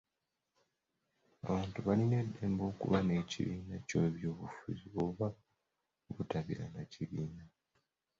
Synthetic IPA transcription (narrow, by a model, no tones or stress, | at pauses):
a̰βaːntuβaline̞dːe̞ːmbo̞ːkṵβane̞ːcḭβiːnaco̞βjo̞ːβufṵziouβa | βutaβḭɾanaciβiːna